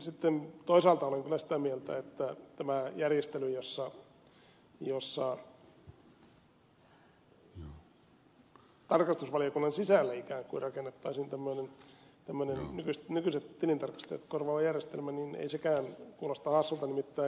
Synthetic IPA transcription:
sit̪ːent̪oisɑːlt̪ɑoleŋkylæsi̥t̪æmielt̪æ̰et̪ːæt̪æmæjærjest̪elyjosːɑ | josːɑ | t̪ɑrkɑst̪usʋɑlijokunːɑnsisælːæikæːŋkṵirɑkenːet̪ːɑisint̪æmːøinent̪æmːønennykyst̪nykyset̪t̪ilint̪ɑrkɑ̥st̪ḛːt̪korʋɑːɑjærjest̪elmæninḛisekæːnkuːlɑst̪ɑhɑsːult̪ɑnimit̪ːæː

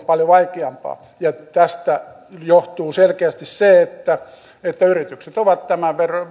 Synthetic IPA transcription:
pɑljoʋɑikeɑmpɑ̰ː | jɑt̪æst̪æ | joht̪uːselkeæst̪isseet̪ːæ | et̪ːæyrit̪ykset̪oʋɑt̪t̪æmæʋerɑ

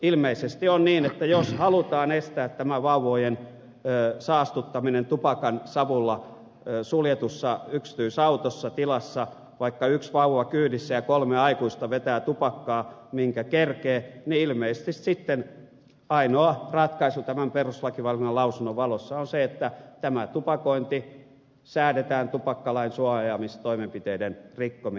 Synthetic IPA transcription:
ilmeisest̪ionniːnet̪ːæjoshɑlut̪ɑːnest̪æːt̪tæmæʋɑuʋojenː | sɑːst̪ut̪ːɑminent̪upɑkɑnsɑʋulːɑ | suljet̪usːɑykst̪yːsɑut̪osːɑt̪ilɑsːɑ | ʋɑikːɑyksʋɑuʋɑkyːnisːæjɑkolmeɑikuist̪ɑʋet̪æːt̪upɑkːɑːmiŋkækerkeːniilmeise̥st̪issit̪ːen | ɑinoɑrɑt̪kɑisut̪æmæmperuslɑkiʋɑlkunɑlɑusunːoʋʋɑlosːɑonseet̪ːæt̪æmæt̪upɑkoint̪i | sæːdet̪æːnt̪upɑkːɑlɑinsuɑjɑmist̪oimempit̪eidenrikːomi

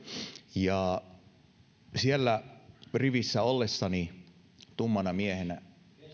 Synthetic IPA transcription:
jɑ | sielːæriʋisːæolːesːɑni | t̪umːɑnɑmiehenæ

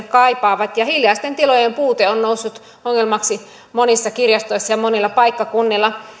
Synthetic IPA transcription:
kɑipɑːʋɑt̪jɑhiljɑˑist̪ent̪ilojempuːt̪eonnousːut̪ | oŋːelmɑksi | monisːɑkirjɑst̪oisːɑjɑmonilːɑpɑikːɑkunːilːɑ

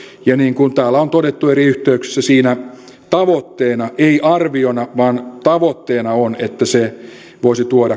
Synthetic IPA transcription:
jɑniːŋkunt̪æːlːæont̪odet̪ːueriyht̪eykse̥sːæsiːnæ | t̪ɑʋot̪ːeːnɑʔeiʔɑrʋionɑʋɑːnt̪ɑʋot̪ːeːnɑonet̪ːæse | ʋoˑisit̪uoɾɑ

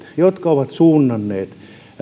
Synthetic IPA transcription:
jot̪kɑoʋɑt̪suːnːɑnːeːt̪

